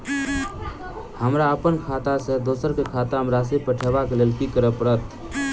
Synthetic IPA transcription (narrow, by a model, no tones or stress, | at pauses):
həmɾaəpənkʰat̪asəd̪osəɾkekʰat̪aɦəmɾasepəʈʰebakelelkikəɾəpəɾət̪